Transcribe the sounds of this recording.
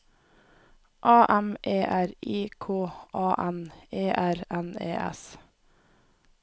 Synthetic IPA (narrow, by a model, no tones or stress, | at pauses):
ʔɑːʔæmʔeːʔæɾiːkʰoːʔɑːʔæneːʔæɾɛnḛːʔɛ̰s